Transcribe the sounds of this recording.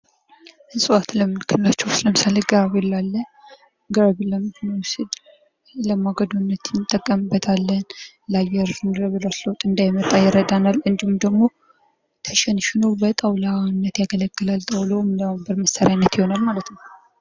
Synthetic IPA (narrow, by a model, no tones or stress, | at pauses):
ʔɨnsʼɨwat̪ləmɨnkʰːɨnlat͡ʃːɛwsɨləmsaləɡaaβɛlːalːə | ɡəɾβləmɨhonusɨd̪ | ləmaɡəd̪unːət̪jɪnt̪ʼːəkʼːəmɨbːət̪ʰalːən | lajɛɾnd̪ɾəβɨlowsləwt̪ʼːɨnd̪ajmət̪ʼːajɪɾəd̪analɨnd̪ihumd̪əɡmo̞ | t̪ʰəʃɛnʃɪnobət̪ʼəwlanːət̪jaɡələkːɨlalt̪ʼəwləwmlawmbəɾməsaɾjanːət̪jɪho̞nalmalət̪nəw